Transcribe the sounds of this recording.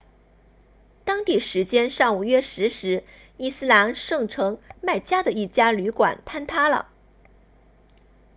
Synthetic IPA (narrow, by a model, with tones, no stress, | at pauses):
t̪ɑ˥ŋt̪i˥˩ʂɻ̩˧˥t͡ɕjɛ˥nʂɑ˥˩ŋu˨˩ɥɛ˥˩ʂɻ̩˧˥ʂɻ̩˧˥ | i˥˩sɹ̩˥˩la˧˥nʂɤ˥˩ŋʈ͡ʂʰɤ˧˥ŋma˥˩ɪt͡ɕja˥d̪ə˨i˥˩t͡ɕja˥ly˧˥kwa̰˨˩˦nt̪ʰa˥nt̪ʰa˥lə̰˨